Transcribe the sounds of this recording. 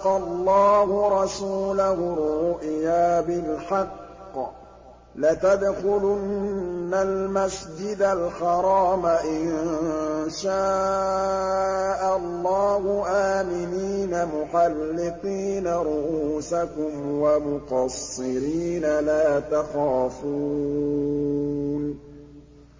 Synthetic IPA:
qɑlˤːɑːhʊɾˤɑsuːlahʊɾʊʔjaːbɪlħɑqː | lat̪ad̪xʊlʊnːalmasd͡ʒɪd̪alħɑɾˤɑːmaʔɪn | ʃaː | ʔalˤːɑːhʊʔaːmɪniːnamʊxɑlːɪt̪iːnaɾˤʊʔuuːsakʊmwamʊqɑsˤːɪɾiːnalaːt̪axaːfuː | n

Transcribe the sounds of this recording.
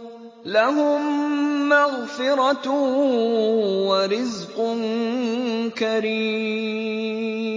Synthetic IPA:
laɦʊmː | aɣfɪɾɑ | waɾɪzqʊn | kaɾi

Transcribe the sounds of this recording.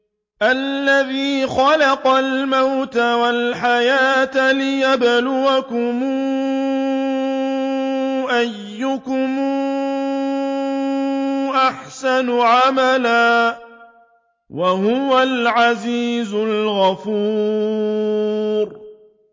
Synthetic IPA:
ʔalːaðiːxɑlɑqɑlmawt̪awalħajaːt̪lɪjablʊwakʊmuː | ʔajːʊkʊmː | ʔaħsanʊʕamalaː | waɦʊwalʕaziːzʊlɣafuː | ɾ

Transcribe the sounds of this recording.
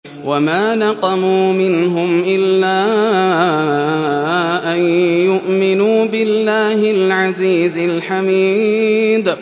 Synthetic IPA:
wamaːnɑqɑmuːmɪnɦʊmʔɪlːaː | ʔanjʊʔmɪnuːbɪlːaːhɪlʕaziːzɪlħamiːd̪

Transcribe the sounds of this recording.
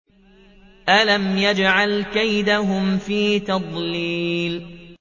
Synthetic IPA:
ʔalamjad͡ʒʕalkajd̪aɦʊmfiːt̪ɑd̪ˤliːl

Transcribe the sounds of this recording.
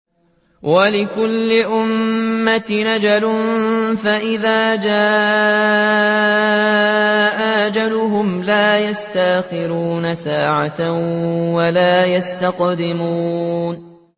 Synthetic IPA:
walɪkʊlːɪʔʊmːat̪nad͡ʒalʊnfaʔɪðaːd͡ʒaː | ʔaʔd͡ʒalʊɦʊmlaːjast̪aʔxɪɾuːnasaːʕat̪awalaːjast̪aqd̪ɪmuːn

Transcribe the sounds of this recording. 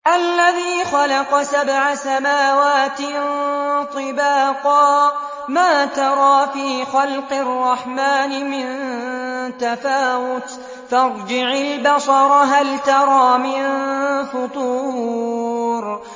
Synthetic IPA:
ʔalːaðiːxalɑqɑsabʕasamaːwaːt̪nt̪ˤɨbaːqɑː | maːt̪ɑɾˤɑːfiːxɑlqɨrˤːɑħmaːnɪmɪn | t̪afaːwʊt̪ | fɑɾˤd͡ʒɪʕalbɑsɑɾˤɑɦalt̪ɑɾˤɑːmɪnfʊt̪ˤuː | ɾ

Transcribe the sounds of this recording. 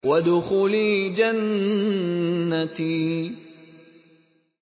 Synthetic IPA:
wad̪ʊxʊliːd͡ʒan | at̪i

